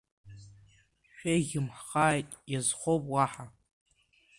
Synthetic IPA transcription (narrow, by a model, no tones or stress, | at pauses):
ʃᶣaɣʲɪmħχaːjtʼjazχʷowpʼwaħa